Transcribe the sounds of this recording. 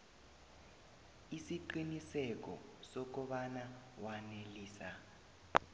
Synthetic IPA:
isiǃinisɛk̬ɔ̰sɔk̬ɔɓanawaneliːsa

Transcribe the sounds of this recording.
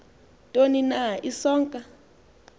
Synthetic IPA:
tʼoninaʔisɔːŋkʼa

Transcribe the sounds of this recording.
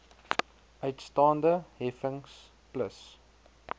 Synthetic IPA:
ʔəɥtstɑːndəɦɛfəŋs | pləs

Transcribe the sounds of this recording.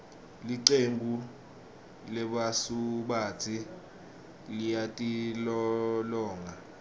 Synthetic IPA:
liǀembʱu | lɛɓasuɓatʰi | lijatʼilɔlɔːŋa

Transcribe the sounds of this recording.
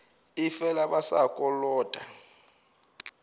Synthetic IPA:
ifɛlaɓasa̰kʼɔlɔːtʼa

